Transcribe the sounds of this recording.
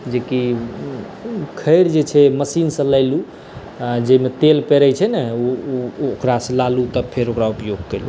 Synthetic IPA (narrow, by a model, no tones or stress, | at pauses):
d͡ʒeki | kʰəjɾd͡ʒet͡ʃʰɛməsinsə̃ləɪlu | d͡ʒeimet̪elpeɾət͡ʃʰɛnɛuokɾasə̃lalut̪ɔpʰeɾokɾaupjoɡ̚kelu